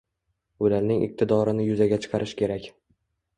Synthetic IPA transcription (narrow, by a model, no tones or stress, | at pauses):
ʊlaɾnɪŋʔɪ̰q̚t̪ʰɪd̪ɒɾɪnɪjʊzaɡʲat͡ʃʰɨ̥qʰɑɾʔɪʃkʲe̞ɾakʲ